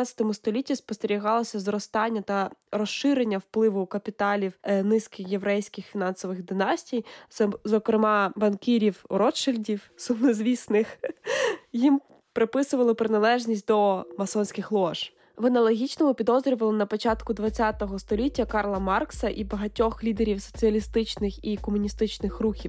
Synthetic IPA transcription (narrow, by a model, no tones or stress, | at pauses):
t͡sʲɐt̪ɔmʊst̪ɔlʲitʲːispɔst̪eɾʲiɦɑlˠɔsʲɐzɾɔst̪ɑnʲːɐt̪ɐɾɔsʃɪɾenʲːɐwplˠɪʋʊkɐpʲit̪ɑlʲiwnɪskɪxje̞ʋɾɛjsʲkɪxfʲinɑnsɔʋɪɣd̪ɪnɑsʲtʲijzɔkɾemɑbɐnkʲiɾʲiwɾɔt͡ʃɪlʲdʲiwsʊmnezʲʋʲisnɪx | jim | pɾɪpɪsʊʋɐlˠɪpɾɪnɐlˠɛʒnʲisʲtʲd̪ɔmɐsɔnʲsʲkɪxlˠɔʒ | ʋɐnɐlˠɔɦʲit͡ʃnɔmʊpʲid̪ɔzɾʲɔʋɐlˠɪnɐpɔt͡ʃɑt̪kʊd̪ʋɐt͡sʲːɑt̪ɔɦɔst̪ɔlʲitʲːɐkɑrlˠɐmɑrksɐʔibɐɦɐtʲɔxlʲid̪eɾʲiwsɔ̥t͡sʲiɐlʲist̪ɪt͡ʃnɪxikɔmʊnʲist̪ɪt͡ʃnɪxruxʲiw